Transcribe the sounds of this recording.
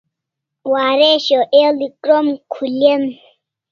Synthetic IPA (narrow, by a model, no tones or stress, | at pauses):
waɾɛʃɔʔelikɾɔmkʰulem